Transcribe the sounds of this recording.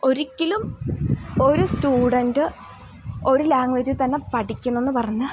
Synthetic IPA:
o̞ɾikʲːilum | o̞ɾustuːɽɐndɨ | o̞ɾulaːŋʋed͡ʑɨt̪ɐnːe̞pɐʈikʲːuɳɐenːɨpɐrɐɲːɐð

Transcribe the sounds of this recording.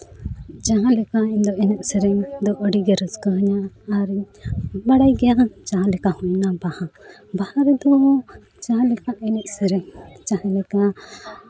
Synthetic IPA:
d͡ʒaɦãlɛkaind̪ɔʔɛnɛʔsɛɾɛŋd̪ɔʔəɽiɡɛɾəskəɦəɲaː | ɾi | baɽajɡɛjaʔt͡ʃaɦãlɛkaʔhuɲnabahã | bahaɾɛd̪ɔ | t͡ʃaɦãlɛkaʔɛnɛʔsɛɾɛŋt͡ʃaɦãlɛka

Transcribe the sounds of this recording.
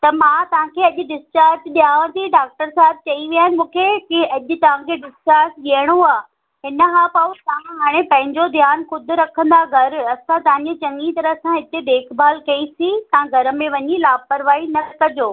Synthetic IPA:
t̪ɐmãt̪ɐʋ̤ãkʰeɐʄʊ̆ɖɪst͡ʃaːɾsɗijaːʋə̃t̪ʰiɖaːk̚ʈəɾsaɦɪb̚t͡ɕɐiʋijaːnɪ̆mũːkʰekiɐʄʊ̆t̪ɐʋ̤ãkʰeɖɪst͡ʃaːɾsɡiəɽ̃oaː | ɦɪnəɦãːpɐt̪ɐ̤ãɦaːɽ̃ẽpɐ̃ɦɪ̃ɲd͡ʑod̪ʱjaːnxʊd̪ʱɾɐkʰə̃nd̪aɡʱɐɾɐsãt̪ɐʋ̤ãɲd͡ʑet͡ɕɐ̃ŋɡit̪ɐɾəsãɦɪt̪ed̪eːkʰbʱaːlkɐisit̪ɐãɡʱɐɾə̆mẽʋɐɲilaːpɐɾʋaːinɐkɐd͡ʑoː

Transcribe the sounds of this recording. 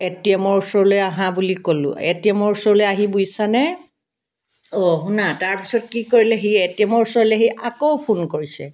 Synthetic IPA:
etiɛmɔɹusɔɹlojaɦãbulikolʊ̰̃ḛtiɛmɔɹusɔɹlojaɦibujsanɛ | ɔɦʊnataɹpi̥sɔt̚kikoɹilɛɦietiɛmɔɹusɔɹlɛɦejʔakowpʰunkoɹisɛ

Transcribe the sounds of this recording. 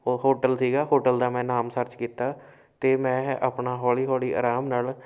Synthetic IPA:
oːɦoːʈəlsiːɡaːɦoːʈəld̪aːmɛ̃ːnaːmsəɾt͡ʃkiːt̪aː | t̪eːmɛ̃ːa̰ːpɳaːɦɔːliːɦɔːliːʔa̰ːɾaːmnaːl

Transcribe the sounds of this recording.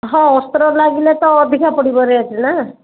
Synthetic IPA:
ɦɔ̃ɔst̪ɾɔlaɡilet̪ɔːd̪ʱikapɔɽibɔɾeat͡ʃʰina

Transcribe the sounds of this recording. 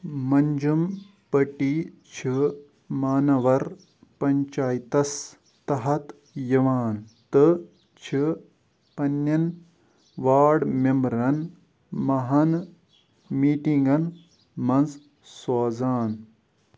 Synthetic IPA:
mɐɲd͡ʒum | pɐʈi | t͡ʃʰi | maːnɐʋɐɾ | pɐɲt͡ʃaːjt̪ɐs | t̪ɐɦɐt̪ | jɐʋaːnt̪ɨ | t͡ʃʰi | pɐnːɐn | ʋaːɖmembɾɐn | mɐɦɐn | miːʈiŋɡɐn | mɐnz | saːzaːn

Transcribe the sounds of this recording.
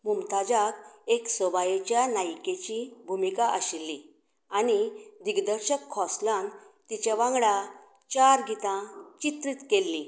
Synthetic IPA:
mumt̪ad͡ʑakeksəbajet͡ɕjanajket͡ɕibʱumikaʔəɕilːi | anid̪iɡd̪əɾɕəkʰːɔslãnt̪it͡ɕjaʋãŋɡɭa | t͡ɕaɾɡit̪ãt͡ɕit̪ɾit̪kelːi

